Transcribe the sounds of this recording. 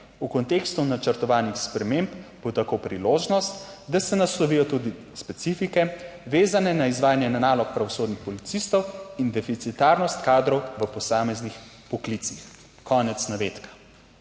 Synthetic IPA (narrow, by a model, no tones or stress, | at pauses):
ukɔnt̪ekst̪unat͡ʃəɾt̪ɔʋaːnixspɾɛmembb̥ot̪akopɾiloːʒnɔst̪d̪asɛnaslɔʋijɔt̪ud̪i | spɛt̪sifikɛʋeːzanɛnaizʋaːjanjɛnanaːlɔk̚pɾaʋɔsoːd̪nixpɔlit̪sist̪ɔwind̪ɛfit̪sit̪aɾnɔst̪kaːd̪ɾɔwʋəpɔsaːmɛznix | pɔklit̪six | kɔːnɛt̪snaʋeːt̪kḁ